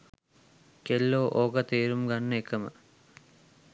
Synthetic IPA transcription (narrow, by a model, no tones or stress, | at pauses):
kelːoːʔoːɡɐt̪eːɾumɡɐɳːekːɐmɐ̰